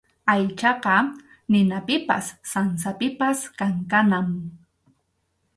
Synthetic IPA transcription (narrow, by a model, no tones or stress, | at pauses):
ajt͡ʃɑqɑ | nɪnapɪpa̰sːansapɪpaskaŋkanam